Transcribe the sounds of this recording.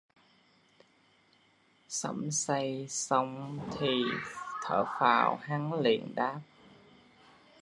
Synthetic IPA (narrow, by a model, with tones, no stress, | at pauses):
sə̰˧˥msa˧jsə˧wŋ͡mt̪ʰi˨˩t̪ʰə̰ː˧˩faː˧˩wha˨˦ŋlḭ˧˨ənɗaː˦˥p̚